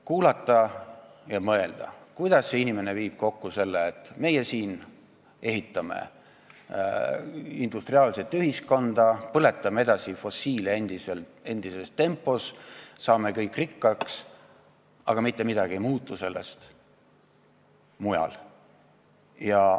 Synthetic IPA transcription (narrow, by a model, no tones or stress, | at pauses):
kuːlɑt̪ːˑɑjɑmɤe̞ld̪̥ɑ̰kujd̪̥ɑsːe̞inimeneviːb̥̚ko̞kːuse̞lːeːt̪ːˑme̞jesiːn | e̞ɦit̪ːˑɑmḛ | ind̪̥ust̪riɑːlse̞t̪ːˑyɦisko̞nd̪̥ɑpɤlet̪ːˑɑmee̞d̪ɑsifo̞siːleend̪isele̞nd̪̥ise̞st̪e̞mpːˑo̞ssɑːme̞kɤjkːrikːɑks | ɑɡ̥ɑmit̪ːe̞mid̪̥ɑɡ̥iejmuːt̪ːˑuse̞lːe̞̰st̪ | mujɑ̰l | jɑ